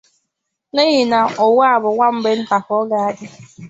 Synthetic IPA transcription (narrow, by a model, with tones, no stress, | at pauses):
ne˦ɣi˨na˨ɔ˨wa˦˨bʊ˨ŋʷa˦m̩˦be˦n̩˦ta˨kɔ˦ɔ˦ɡa˦a˦dɪ˦